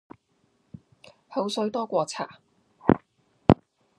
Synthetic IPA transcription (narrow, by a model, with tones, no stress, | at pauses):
ho˨˥wsɵ˨˥ɥt̪ɔː˥kʷɔː˧t͡sʰa̰ː˨˩